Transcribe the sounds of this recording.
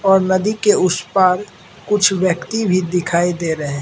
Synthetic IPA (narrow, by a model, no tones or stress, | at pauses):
ɔːɾnɐd̪ikeʊspaːɾ | kʊt͡ʃʰwjəkt̪ibʱid̪ɪkʰaːid̪eɾəɦẽ